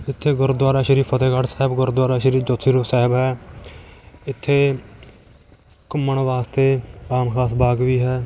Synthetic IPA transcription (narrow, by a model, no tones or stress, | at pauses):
ɪt̪ʰːeːɡʊɾd̪waːɾaːʃəɾiːpʰət̪eːɡaʈsɛːɦɪbɡʊɾd̪waːɾaːʃəɾiːd͡ʒoːt̪ʰiːɾoːsɛːɦɪbɦɛː | ɪt̪ʰːeː | kʊmːəɳʋaːst̪eːaːmkʰaːsbaːɡʋiːɦɛː